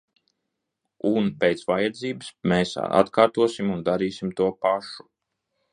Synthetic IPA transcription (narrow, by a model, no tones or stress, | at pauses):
unpʲejt̪svajad̪ziːbɨsmeːsa̰t̪kaːɾt̪uɔsimund̪aɾiːsimt̪uɔpaʃu̥